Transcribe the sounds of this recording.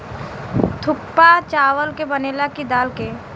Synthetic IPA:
t̪ʰʊk̚pat͡ʃaːʋəlkebəneːlakid̪aːlkeː

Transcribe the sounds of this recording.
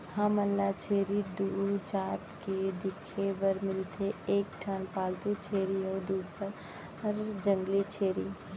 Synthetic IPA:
hãməlːat͡ʃʰeːɾid̪uːɾd͡ʒaːt̪ked̪ɪkʰebəɾmɪlt̪ʰeeːk̚ʈʰaːnpaːlt̪ut͡ʃʰeːɾiɔːɾd̪uːsəɾ | ɾd͡ʒə̃ŋɡlit͡ʃʰeːɾi

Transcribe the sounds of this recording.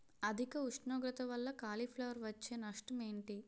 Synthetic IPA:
ɐd̪ʱikɐuʂɳɔːɡɾɐt̪ɐʋɐlːɐkaːlipʰlɐʋɐɾʋɐt͡ʃːeːnɐʂʈɐme̞ːɳʈi

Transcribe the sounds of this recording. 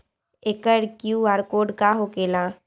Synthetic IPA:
ekəɽkjuaːɾkoːɖkaɦokeːlã

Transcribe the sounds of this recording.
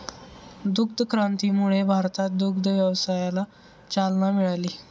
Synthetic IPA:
d̪uk̚d̪ʱəkɾãnt̪iːmuɭebʱaɾt̪at̪̚d̪uk̚d̪ʱəʋjəʋsajala | t͡salnamiɭaliː

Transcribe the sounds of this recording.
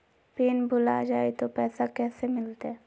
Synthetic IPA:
piːnbʊla̰d͡ʒaːet̪opɛːsakɛːsemɪlt̪e

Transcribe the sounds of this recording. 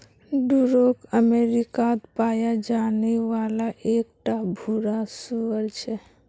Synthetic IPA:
ɖuɾokəmeɾikad̪pajad͡ʒaneʋalaʔek̚ʈabʱuɾasuəɾt͡ʃʰɛ

